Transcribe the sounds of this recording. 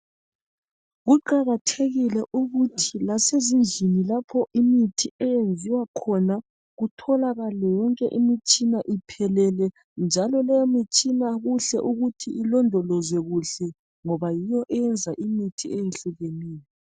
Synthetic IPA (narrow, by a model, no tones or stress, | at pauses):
ɣuǃaɣatʰeɣilɛʔuɣutʰilasezind͡ɮʱinilapʰɔʔimitʰiɛjend͡zʱiwakʰɔna | ɣutʰɔlaɣalɛjɔŋkʼɛʔimit͡ʃʼinaʔipʰɛlɛlɛ | nd͡ʒʱalɔlɛjɔmit͡ʃʼinaɣuɬɛʔuɣutʰiʔilɔndʱɔlɔzwɛɣuɬɛ | ŋɔβajijɔʔɛjɛnd͡zʱaʔimitʰiejenɬuɣeniːlɛ